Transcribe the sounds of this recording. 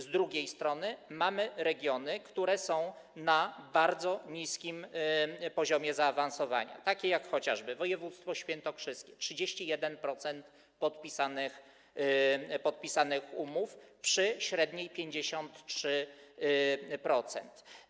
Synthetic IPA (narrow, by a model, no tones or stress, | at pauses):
zd̪ɾuɡʲejst̪ɾɔnɘmamɘɾɛɡʲjɔnɘkt̪uɾɛsɔ̃w̃ | nabaɾd̪zɔɲiskʲim | pɔʑɔmʲjɛzaːvansɔva̰ɲa̰t̪akʲɛjakxɔt͡ɕa̰ʐbɘvɔjɛvut̪st̪fɔɕfʲjɛnt̪ɔfʂɘst̪̚kʲɛtʂɘd͡ʑeɕt͡ɕijɛd̪ɛnpɾɔt̪sɛnt̪ | pɔt̪pʲisanɘx | pɔt̪̚pʲisanɘxumufpʂɘɕɾɛd̪ɲejpʲjeɲd͡ʑeɕɔnt̪tʂɘ | pɾɔt̪sɛ̰nt̪